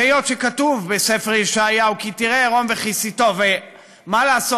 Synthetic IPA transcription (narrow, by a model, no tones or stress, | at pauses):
ejo̞t̪ʃekatuvbesefeʁjiʃaːjaukitiʁeʁo̞mveχisit̪o̞ve | malaːso